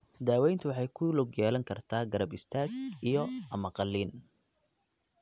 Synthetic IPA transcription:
d̪aːwɛjnt̪ʰʊwɑħɑjkʰʊlʊɡjɛːlɐŋkʰɐrt̪ʰaːɡɐɾɐbɪst̪ʰaːɡijɔɐmɐqɑlːiːn

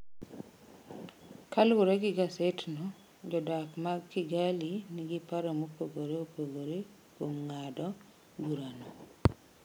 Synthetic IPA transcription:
kalɾeɡɪɡasetnɔ | d͡ʒɔdakmakːiɡaliniɡipaɾamopoɡoɾeopoɡoɾe | komŋadɔ | buɾanɔ

